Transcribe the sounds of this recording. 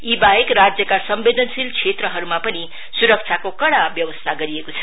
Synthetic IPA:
ibaɦekrad͡zjʌkasʌmbed̪ʌnsilkʰet̪ɾʌɦʌɾumapʌni | suɾʌk̚t͡sʰakokʌɽabjʌwʌst̪ʰaɡʌɾiekot͡sʰʌ̥

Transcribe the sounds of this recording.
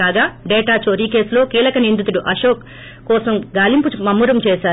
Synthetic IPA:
aːɡaːɖeːʈaːt͡ʃoɾikeːslo̞ːkiːlɐkɐnind̪ut̪̬uɽuʔɐʃoːk | kːɔːsɐmɡaːlimpumɐmːuɾɐmt͡ʃɛːʃaː

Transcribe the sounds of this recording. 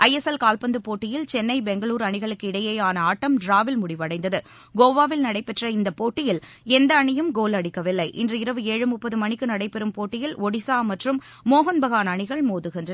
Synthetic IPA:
ʔɐjɛsɐlkaːlpɐnd̪ɯpoːʈːɪjɪlt͡ʃɛnːɐɪbɛŋɡɐɭuːɾɐɳɪɣɐɭɯkːɯɪɽɐjɐjaːnɐaːʈːɐmɖɾaːʋɪlmʊɽɪʋɐɽɐɪnd̪ɐðɯ | ɡoːʋaːʋɪlnɐɽɐɪpːɛʈrɐɪnd̪ɐpoːʈːɪjɪlɛnd̪ɐːɳɪjɯmɡoːlɐɽɪkːɐʋɪlːɐɪʔɪ̰ndrɯɪɾɐʋɯeːɻɯmʊpːɐðɯmɐɳɪkːɯnɐɽɐɪpɛɾɯmpoːʈːɪjɪlɔɽɪsaːmɐʈrɯmː | oːɣɐnbɐɣaːnɐɳɪɣɐɭmoːðɯɣɪndrɐ

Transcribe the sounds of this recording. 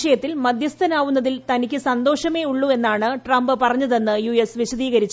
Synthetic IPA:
ʂɐjɐt̪ːilmɐd̪ʱjɐst̪ʰɐnaːʋunːɐðilt̪ɐnikʲːɨsɐnd̪o̞ːʂɐme̞ːuɭːue̞nːaːɳɨʈrɐmbɨpɐrɐɲːɐðe̞nːɨjuesʋiɕɐðiːɣɐɾit͡ɕː

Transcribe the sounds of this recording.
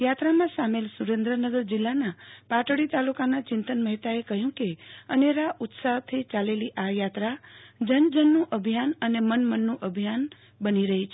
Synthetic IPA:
jat̪ɾamãsamelsuɾẽnd̪ɾənəɡəɾd͡ʒɪlːanapaʈɽit̪alukanat͡ʃɪnt̪ənməɦit̪aekəɦjũkeəneɾaʔʊt̪saɦt̪ʰit͡ʃaleliʔajat̪ɾad͡ʒənd͡ʒənːũʔəbʱijanənemənmənːũʔəbʱjan | bəniɾəɦit͡ʃʰe

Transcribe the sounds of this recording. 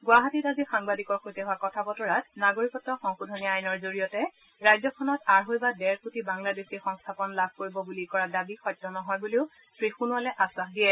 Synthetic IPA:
ɡwaɦatitabixaŋbadikɔɹxojtɛɦʊakɔtʰabɔtɔɹat̚naɡoɹikɔtɔxɔŋxudʱɔniajnɔɹzoɹijɔtɛ | ɹajzɔkʰɔnɔtaɹɦojbadɛɹputibaŋladesixɔŋstʰapɔnlab̚ʱkoɹibɔbulikɔɹadabixɔjtːɔnɔɦɔjbuliʊ | sɹixunʊalɛʔasaxdijɛ

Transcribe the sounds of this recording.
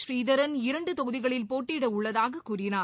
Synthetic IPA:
ʃriːðɐɾɐnɪɾɐɳɖɯt̪ɔɣɯðɪɣɐɭɪlpoːʈːiːɽɐʊɭːɐðaːɣɐkːuːrɪnaː

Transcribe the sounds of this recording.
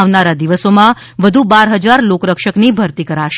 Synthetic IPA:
aʋnaɾad̪iʋəsomã | ʋəd̪ʱubaɾɦəd͡ʒaɾlokɾəkʃəknibʱəɾt̪ikəɾaʃ

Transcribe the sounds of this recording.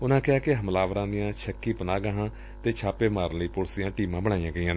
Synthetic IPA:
ʊnãːkɪaːkɪɦəmlaːʋəɾãːd̪ɪjãːt͡ʃʰəkːiːpənaːɡəɦãː | t̪eːt͡ʃʰaːpeːmaːɾnləiːpʊlsɪjãːʈiːmãːbəɽ̃aːijãːɡəiːãː

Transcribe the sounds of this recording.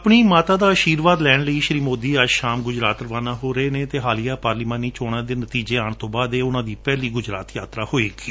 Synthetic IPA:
pɳ̃iːmaːt̪aːd̪aːəʃiːɾʋaːd̪lɛːɳləiːʃɾiːmoːd̪iːəd͡ʒʃaːmɡʊd͡ʒɾaːt̪ɾəʋaːnaːɦoːɾəeːnẽːt̪eːɦaːlɪjaːpaːɾliːmãːniːt͡ʃoːɽ̃ãːd̪eːnət̪iːd͡ʒeːaːɳ̃t̪õːbaːd̪eːʊnãːd̪iːpɛːliːɡʊd͡ʒɾaːt̪jaːt̪ɾaːhoːeːɡiː

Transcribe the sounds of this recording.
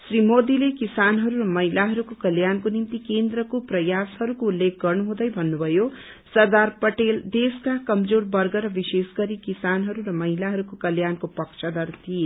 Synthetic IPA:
srimod̪ilekisanɦʌɾuɾʌmʌɦilaɦʌɾukokʌljankonimt̪ikend̪rʌkoprʌjashʌɾukoulːek̚ʰɡʌrnuɦũd̪ʌjbʱʌnːubʱʌjo | sʌrd̪arpʌʈeld̪eskakʌmd͡zorbʌrɡʌɾʌbisesɡʌɾikisanɦʌɾuɾʌmʌɦilaɦʌɾukokʌljankopʌksʰʌd̪ʌrt̪ʰije

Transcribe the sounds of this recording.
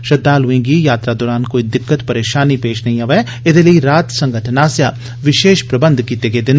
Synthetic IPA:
ʃəd̪aːlʊɪ̃ːŋɡijaːt̪ɾaːd̪oːɾaːnkoːid̪ɪkːət̪pəɾeːʃaːnipeːʃnəɦĩəʋɛː | ɪd̪eːləiɾaːt̪sə̃ŋɡəʈʰnaːsjaː | ʋɪʃeːʃpɾəbə̃nd̪kiːt̪eːɡeːd̪ɪn

